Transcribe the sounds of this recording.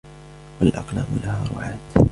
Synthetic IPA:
walʔɑ̰qla̰ːmʊlahaːɾˤʊ̰ʕaːt̪

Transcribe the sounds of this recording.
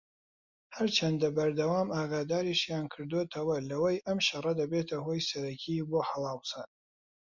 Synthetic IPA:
hɐɾt͡ʃʰɐnd̪ɐbɐɾd̪ɐwaːmaːɡaːd̪aːɾiʃjaːnkʰɨɾd̪wet̪ʰɐwɐlɐwɐjʔɐmʃɐrɐd̪ɐbet̪ʰɐhoːjsɐɾɐcʰiboːħɐlˠɑːwsɐ

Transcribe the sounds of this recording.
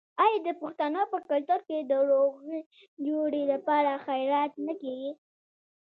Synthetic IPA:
ɑjɑd̪əpʊxt̪anəpəkalt̪ʊɾked̪əɾoɣə | d͡ʒoɽelapɑɾaxajɾɑt̪nakeɡi

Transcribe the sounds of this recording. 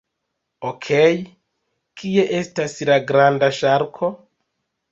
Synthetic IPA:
okʰe̞j | kʰie̞ʔe̞staslaɡɾandaʃaɾkʰo̞

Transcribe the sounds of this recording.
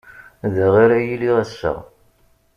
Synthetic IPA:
ðəʁiɾæjiliʁæsːə̰ʁ

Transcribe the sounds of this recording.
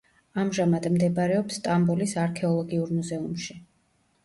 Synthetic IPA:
amʒamad̪md̪ɛbaɾɛɔpst̪ʼambulisaɾkʰɛɔlˠɔɡiuɾmuzɛumʃi

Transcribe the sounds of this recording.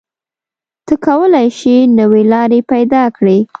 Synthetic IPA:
t̪əkawəlajʃinəwelɑɾepajd̪ɑkɽi

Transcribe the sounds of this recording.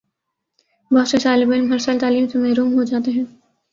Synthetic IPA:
bɔɦʊt̪sesaːlɪbɪlɦɐɾsəlt̪aːliːmsemɐɦɾuːmɦod͡ʒaːt̪eɦɛ̃ː

